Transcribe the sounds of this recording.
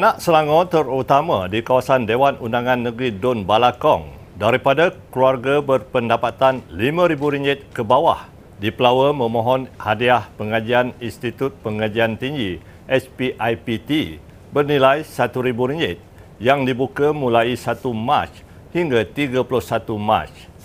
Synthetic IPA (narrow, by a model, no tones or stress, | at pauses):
anãʔsəlaŋɔt̪ərut̪amãdikawasandewanundaŋãnːəɡɾidɔnbalakɔ̰ŋ | daɾipadakluarɡabərpəndapat̪anlimãɾibuɾiɲd͡ʒɪt̪̚kəbawa̰h | dipəlawəmə̃mɔ̃ɦɔnhadiahpəŋad͡ʒianinst̪it̪ut̪̚pəŋad͡ʒiant̪iŋɡi | ʔɛspiʔajpit̪i | bərnilajsat̪uɾibuɾiɲd͡ʒɪt̪̚ | jaŋdibukamũlaisat̪uma̰t͡ʃ | hiŋɡat̪iɡaplʊsat̪uma̰t͡ʃ